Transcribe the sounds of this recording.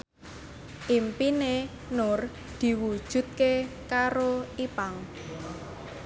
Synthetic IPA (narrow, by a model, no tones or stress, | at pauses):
ʔimpine | nʊr | d̪̥i̤wud̥ʒ̥ṳt̪̚kekaɾoipaŋ